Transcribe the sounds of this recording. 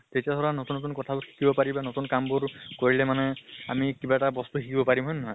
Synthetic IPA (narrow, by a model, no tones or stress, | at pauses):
tetiasʰɔɹanotunːot̬unkɔtʰabʊkʰi̥kibɔpaɹibanotunkambʊɹkoɹilɛmanɛamikibaɛtabɔstukʰikibɔpaɹimɦɔjnnɔɦɔj